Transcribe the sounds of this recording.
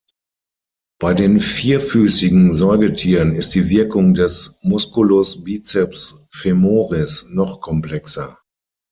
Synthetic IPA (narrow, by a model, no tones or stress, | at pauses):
b̥aɪdeːnfiːɐfyːsɪɡŋ̩zɔɪɡətʰiːʁənɪst̚d̥iːvɪɐkʊŋdɛsmʊskulosbiːt͡sɛps | femoːʁɪsnɔχkʰɔmpl̥ɛksɐ